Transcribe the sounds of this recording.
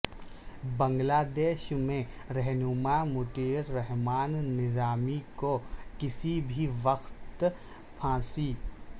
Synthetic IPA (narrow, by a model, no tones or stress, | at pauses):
bɐ̃ŋɡlaːd̪eːʃmẽ | ɾɛɦnʊmamʊʈ̪eːɾːɛɦmaːnːɪzaːmikokɪsibʱiʋɐxt̪ | pʰãːsiː